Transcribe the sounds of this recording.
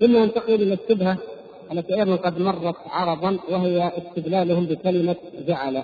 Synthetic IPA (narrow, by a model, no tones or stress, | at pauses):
ʔɪnːaʔant̪aqɪlɪlɪst̪ːɪbha | ʔalːat̪iʔɑjðɑnqɑd̪mɑrˤːɑt̪ʕɑɾˤɑb̪ˤɑnwɪɦɪjaʔɪst̪ɪɡ̪laːlʊhʊmbɪkalɪmad͡ʒaʕala